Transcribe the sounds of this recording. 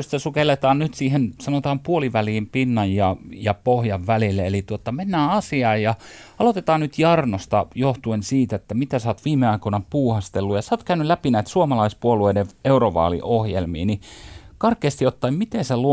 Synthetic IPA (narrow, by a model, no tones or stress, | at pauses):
st̪æsukelːˑet̪ɑːnnyt̪siːhensɑnot̪ɑːmpuoliʋæliːmpinːɑjjɑjɑpohjɑʋʋælilːeelit̪uot̪ːɑmenːæːɑsiɑːjjɑ | ɑlot̪et̪ɑːnnyt̪jɑrnost̪ɑjoht̪uensiːt̪et̪ːæmit̪æsɑːt̪ʋiːmeɑikonɑpuːhɑst̪elːujɑsɑːt̪kæynylæpinæit̪suomɑlɑispuolueideeuroʋɑ̰ːlḭʔohjḛlmḭːnikɑrkːˑeːst̪iot̪ːɑimmit̪eselu